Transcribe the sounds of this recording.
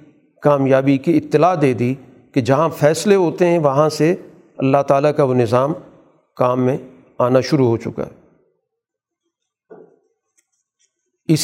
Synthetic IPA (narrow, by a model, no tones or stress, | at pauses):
kaːmjaːbikiɪt̪ːɪlaːd̪eːd̪i | ked͡ʒɐɦãfʰɛːsleɦoːt̪eɦɛ̃ʋɐɦãse | ɐ̰lːaɦt̪aːlakaʋonɪzaːm | kaːmːẽ | aːnaʃʊɾuɦoːt͡ʃʊ̰ka̰ɦɛ | ɪs